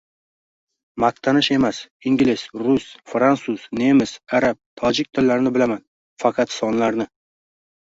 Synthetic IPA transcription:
maq̚t̪ʰanɪʃe̞masɪŋɡʲlɪsɾʊsfɾansuz̥ne̞mɪsaɾap̚t̪ʰɒd͡ʒɪk̚ʲt̪ʰɪlːaɾnɪbɪlaman | fɑqʰɑt̪sɒnlaɾnɪ

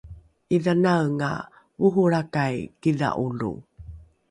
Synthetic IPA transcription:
ʔiðanawŋa̰ | vuɦuɾakajkiða̰ʔulṵ

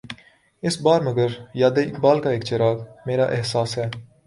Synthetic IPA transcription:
ɪsbaːɾmɐɡəɾjaːd̪eɪk̚baːlkaeːkt͡ʃɐɾaːɡmeːɾaːʔɪɦsaːsɦɛː

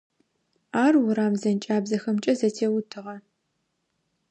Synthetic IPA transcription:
aːrwʊɾaːmzɐnt͡ʃʼaːbzɐxɐmt͡ʃʼɐzɐtʰeːwʊtʰɨʁɐ

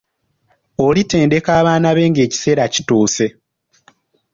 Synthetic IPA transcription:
olite̞ːnde̞kaːβaːnaβe̞ːŋɡe̞ːci̥se̞ːɾaci̥tuːse̞

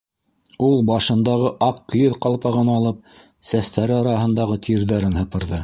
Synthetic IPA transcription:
ulˠbɑʃɤ̆nd̪ɑʁɤʔɑqklʲiðqɑlˠpɑʁɤnɑɑlˠɤp̚ | sæst̪æɾɘɑɾɑɦɤ̆nd̪ɑʁɤt̪ʰiɾðæɾɘnhɤ̆pɤ̆ɾðɤ

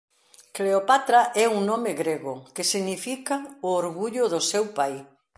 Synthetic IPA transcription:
kleopat̪ɾaʔɛuŋnõmɪɣɾeɣʊkɪsiɣnifikaʊoɾɣuʎʊðʊsewpaj

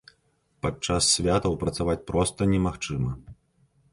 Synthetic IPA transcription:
pat͡ʂasːʲvʲat̪ɐwpɾɐt̪savat͡sʲpɾɔst̪ɐnʲɛmaxt͡ʂɨmɐ

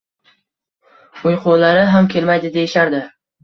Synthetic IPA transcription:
ʊjqʰolaɾɪɦamkʲʰe̞lmajd̪ɪd̪ejɪʃaɾd̪ɪ

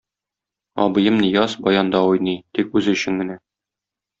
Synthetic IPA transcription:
ɒ̰bɤ̆jɤmnijɑsbɒjɑnd̪ɑujnɤjt̪ikʉzɵ̆ɕɘ̆ŋɡɘ̆næ

